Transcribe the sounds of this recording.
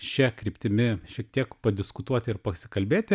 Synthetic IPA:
ʃʲɛkɾʲiːpʲt̪ʲɪmʲɪʃʲiɛk̚t̪ʲiɛkpɐd̪ʲɪskʊt̪uɔt̪ʲɪɪɾpɐsʲɪkɐlʲbʲeːt̪ʲɪ

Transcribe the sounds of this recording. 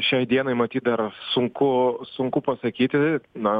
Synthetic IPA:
ʃʲɛɪd̪ʲiɛnɐɪmɐt̪ʲiːt̪̚d̪ɐrsʊŋkʊsʊŋkʊpɐsɐkʲiːt̪ʲɪnɐ

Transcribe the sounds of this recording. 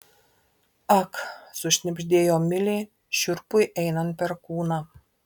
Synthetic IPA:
ɐksʊʃʲnʲɪbʲʒʲd̪ʲeːjoːmʲɪlʲe | ʃʲʊɾpʊjʔɛɪnɐnt̪̚pʲɛɾkuːnɑː

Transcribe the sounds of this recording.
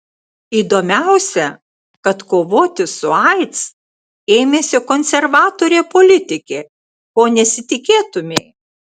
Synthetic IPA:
iːd̪oːmʲæʊsʲɛ | kɐt̪koːʋoːt̪ʲɪsʊɐɪt̪s | eːmʲeːsʲɪkonʲsʲɛɾʋɑːt̪oːɾʲeːpolʲɪt̪ʲɪkʲeː | koːnʲɛsʲɪt̪ʲɪkʲeːt̪ʊmʲeɪ

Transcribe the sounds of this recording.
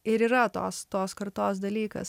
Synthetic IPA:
ɪɾiːɾɐt̪o̰ːst̪oːskɐɾt̪oːs̬d̪ɐlʲiːkɐ̰s

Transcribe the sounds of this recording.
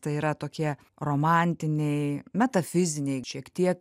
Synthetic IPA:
t̪ɐɪiːɾɐt̪oːkʲiɛ | roːmɑˑnʲt̪ʲɪnʲɛɪmʲɛt̪ɐfʲɪzʲɪnʲɛɪʃʲiɛkt̪ʲiɛk

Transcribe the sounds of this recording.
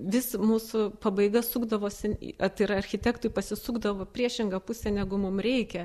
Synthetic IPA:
ʋʲɪsmuːsʊpɐbɐɪɡɐsuːɡd̪ɐʋoːsʲɪn̰ʲɐt̪ɐɪɾɐɐrʲxʲɪt̪ʲæːkt̪ʊjpɐsʲɪsuːɡd̪ɐʋoːpʲrʲiɛʃʲɪŋɡɐpʊsʲɛnʲæɡʊmʊmrʲɛɪkʲɛ

